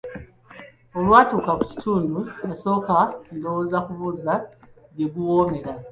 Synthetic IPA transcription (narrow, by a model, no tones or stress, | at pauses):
o̞lwaːtuːkakuci̥tʰuːndujaso̞ːkando̞woːzakuβuːza | ɟe̞ɡuwome̞ɾa